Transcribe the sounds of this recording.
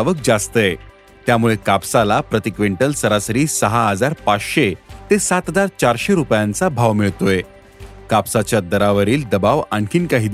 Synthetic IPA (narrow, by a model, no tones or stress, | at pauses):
ʋək̚d͡zast̪əe | t̪jamuɭekapsalapɾət̪ikʋeɳʈəlsəɾasəɾiːsəɦaɦəd͡zaɾpat͡sɕet̪esat̪d͡zaɾt͡ɕaɾɕeɾupjãnt͡sabʱaʋmiɭt̪oje | kapsat͡ɕjad̪əɾaʋəɾiːld̪əbaʋaɳkʰiːnkaɦiːd̪